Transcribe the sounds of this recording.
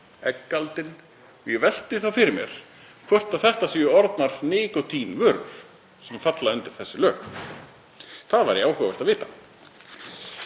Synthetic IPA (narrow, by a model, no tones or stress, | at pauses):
ɛkːalt̪ɪn | ɔjɛvɛl̥t̪ɪθawfɪɾɪɾmjɛ̰ɾ̥ | kʰvɔr̥t̪aθɛht̪asiːjʏɔɾt̪naɾ̥nɪːkɔt̪ʰiːnvʏɾv | sɛmafat̪laʏnt̪ɪɾ̥θɛsːɪlœːx | θaðvaɾjaːwɦœːvʏl̥t̪aðvɪːt̪ḁ